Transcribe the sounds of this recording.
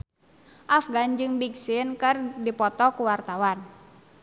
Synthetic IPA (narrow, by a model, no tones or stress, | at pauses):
ʔafɡand͡ʒɨŋbiksɪnkɨrdipɔt̪ɔkuwart̪awan